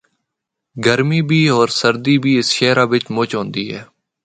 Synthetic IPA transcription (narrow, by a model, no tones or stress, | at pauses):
ɡəɾmiːbʱiːoːɾsəɾd̪iːbʱiːɪsʃɛːɾaːʋɪt͡ʃmʊːt͡ʃɦõːnd̪iːɦɛː